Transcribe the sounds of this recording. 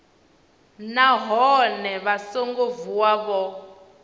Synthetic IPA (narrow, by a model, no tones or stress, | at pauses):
naɦɔnɛβasoŋɡovuwaβɔ